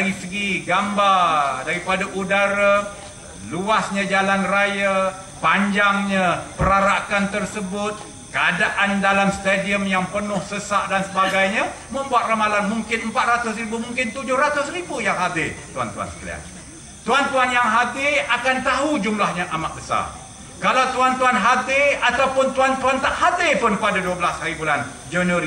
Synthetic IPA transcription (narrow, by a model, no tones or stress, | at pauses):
ɾisəɡiɡambadaɾipadaʔudaɾa | luasɲãd͡ʒalanraja | paɲd͡ʒaŋɲapəɾaɾakant̪ərsəbʊt̪̚ | kəadaʔandalamst̪adiəmjaŋpənʊhsəsaʔdansəbaɡajɲa | mə̃mbuat̪̚ramalanmuŋkɪnəmpat̪̚rat̪ʊsribumuŋkɪnt̪ud͡ʒʊhɾat̪ʊsribujaŋɦad̪ɪrt̪ua̰nt̪ua̰nsə̥kə̰lḭa̰n | t̪uant̪uanjaŋɦat̪ɪakant̪aɦud͡ʒumlahɲaʔamaʔ̪̚bəsa̰r | kalawt̪uant̪uanɦat̪ɪat̪awpʊnt̪uant̪uant̪aʔhad̪ɪpʊnpadaduəbəlashaɾibulan | d͡ʒənəɾi